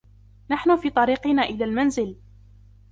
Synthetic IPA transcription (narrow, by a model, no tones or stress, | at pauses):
naħnʊfiːt̪ˤɑɾiːqɪnaːʔɪlaːlmanzɪl